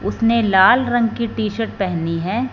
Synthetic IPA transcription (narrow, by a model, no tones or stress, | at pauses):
ʊsnelaːlɾɐ̃ŋɡkiʈiːʃəɾʈ̚pɛɦniɦɛ̃ː